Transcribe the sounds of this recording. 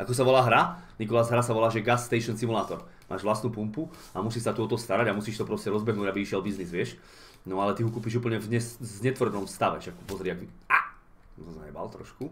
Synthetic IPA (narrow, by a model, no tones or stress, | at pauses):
ʔakɔsaʋɔlaːɦɾanikɔlazɦɾasaʋɔlaːʒɛɡasːt̪ɛɪʃɔnsimulaːt̪ɔɾ | mʔa̰ːʒʋlast̪nuːpumpu | amusiːʃsat̪uɔt̪ɔst̪aɾaɟamusiːʃt̪ɔpɾɔscɛɾɔzbɛɦnuːɟabiiʃɪɛlbiznizʋɪɛʃ | nɔalɛt̪iɦukuːpiʒuːpl̩ɲɛvɲɛszɲɛt̪ʋr̩nɔmfst̪aʋɛ̰ʃak̚upɔzɾɪaɡia | ɔza̰ɲɛba̰lt̪ɾɔ̰ʃku